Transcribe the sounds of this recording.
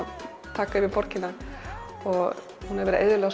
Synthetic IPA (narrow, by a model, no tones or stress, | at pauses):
t̪ʰaːkaɪɾmɪpɔr̥cɪna | ɔɣ | hunaɛɾvɛːɾɪʔḛjːðɪlɛɣas